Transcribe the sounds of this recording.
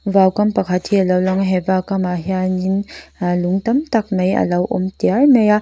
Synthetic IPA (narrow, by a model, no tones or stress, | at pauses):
vawkɐmpɐkʰat̪̚hialɐwlɔŋɦɛvakamaɦianinluŋt̪ɐmt̪ɐk̚mɐjʔɐ̰lɐwʔɔ̰mt̪iarnɐja